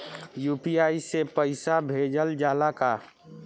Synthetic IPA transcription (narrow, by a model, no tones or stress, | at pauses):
juːpiaːisepəɪsabʱeːd͡ʒəld͡ʒaːlaka